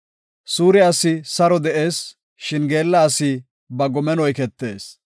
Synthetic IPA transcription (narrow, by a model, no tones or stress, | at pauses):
suːɾɪasːɪsɐɾɔd̪ɛʔe̞ːs | ʃɪnɡe̞ːlːɐːsiː | bɐɡɔmɛnɔjkɛt̪ːe̞ːs